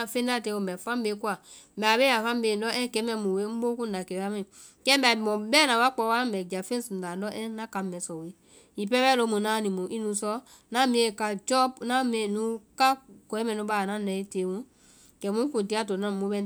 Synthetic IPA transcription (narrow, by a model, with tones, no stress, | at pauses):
a˧fẽ˦n˦da˦˨te˧˦o˨mbɛ˨fã˦m˦be˨˦ku˦a˨m̩˨bɛ˨a˨be˦ja˨fã˦m˦be˨n˦ɔ˦ɛ̃˦kɛ˨˦mɛ̃˧˨mũ˨we˦m̩˦bo˦kũ˦n˦da˨kɛ˨˦a˦mɛ̃˨ | kɛ˦bɛ˨a˨bi˨mɔ̃˨bɛ˦nã˨wa˦k͡pɔ˧˦wa˦˨bɛ˨d͡ʒa˨fẽ˦sũ˨n˨da˨n˦dɔ˦ʔɛ̃˦nã˦ka˨m˦mɛ˨sɔ˨wi˨˦ | i˨pɛ˦bɛ˦lo˧˦mũ˨nã˦nĩ˨mũ˨ʔi˦nũ˨˦sɔ˦ | nã˦mĩ˦e˨ka˨d͡ʒɔ˦bnã˦me˨nũ˨˦ka˦kɔ˨ɛ˦mɛ̃˨nũ˧˦ba˦˨nã˦nɛ˨˦i˦te˨˦mũ˦ | kɛ˨˦mũ˦kũ˨n˨ti˦a˦˨t̬o˨nã˦˨mo˨˦bɛ˦